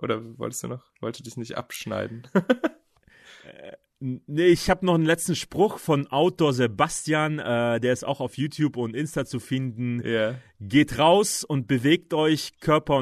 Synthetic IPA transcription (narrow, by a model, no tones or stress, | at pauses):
ʔo̰ːdɐvɔ̰ltstd̥ṵːnɔχvɔ̰lstuːdɪçnɪçtʔa̰pʃna̰ɪdn̩ | nəɪçhaːbənɔχnlɛt͡stn̩ʃpʁ̥ʊxfɔnʔaʊtoːɐzebastjaːnɛːdeːɐɪsta̰ʊxaʊfjuːtʰjuːpʊntʔɪnstat͡sufɪndn̩jaː | ɡeːtʁaʊsʊnt̚b̥əveːk̚tʔɔʏçkʰœɐpɐʊ